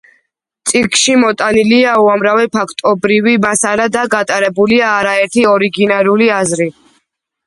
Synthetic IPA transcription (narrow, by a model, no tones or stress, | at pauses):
t̪sʼikʼʃimɔt̪ʼaniliauamɾavɛpʰakʰt̪ʼɔbɾivimasaɾad̪aɡat̪ʼaɾɛbuliaːɾaɛɾt̪ʰiɔɾiɡinaɾuliazɾi